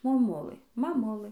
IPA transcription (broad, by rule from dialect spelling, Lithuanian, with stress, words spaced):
moːˈmʊlˠɘ mɐˈmʊlˠɘ